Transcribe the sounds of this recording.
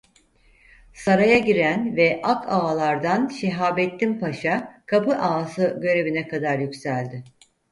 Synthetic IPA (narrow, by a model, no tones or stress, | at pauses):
saɾajaɟiɾænvɛʔakʰaːlˠaɾd̪anʃeɦaːbɛt̪ːimpaʃakʰapɯʔaːsɯɟø̞ɾe̞vinɛkʰad̪aɾjycsælʲd̪ɪ